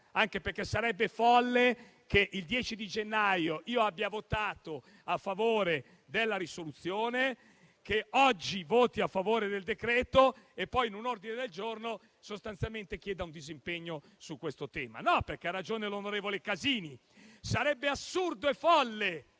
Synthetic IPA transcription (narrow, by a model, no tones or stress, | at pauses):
aŋkeperk̟ːesːaɾɛbːefɔlːe | keʔild̪jɛːt͡ʃid̪id͡ʒenːajoʔiːoabːjavot̪aːt̪o | afːavoːɾe | d̪elːaɾisolut̪sːjoːne | keɔd͡ʒːivoːt̪iafːavoːɾed̪eld̪ekɾɛːt̪oepːɔjnunord̪ined̪eld͡ʒorno | sost̪ant̪sjalment̪ek̟jɛːd̪aund̪izimpeɲːo | sukːwest̪ot̪ɛːma̰nɔperk̟earːad͡ʒoːnelonoɾeːvolekaziːni | saɾɛbːeasːurd̪oefɔlːe